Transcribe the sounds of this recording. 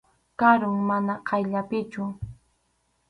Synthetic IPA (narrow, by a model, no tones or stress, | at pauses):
kaɾʊŋmanaqʰɑjʎapɪt͡ʃʊ